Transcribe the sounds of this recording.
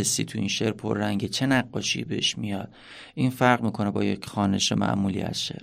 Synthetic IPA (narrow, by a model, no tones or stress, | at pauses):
esːiːt̪ʰuinʃeɾpʰo̰ɾːæŋɟet͡ʃʰe̞næɢːɒːʃḭbeeʃmijɒd̪̥ | ʔiːnfæɾʁmiːkʰo̞nebɒ̰ːjecxɒːne̞ʃemʔæ̰ʔmuːlḭːæ̰sʃe̞̰ɾ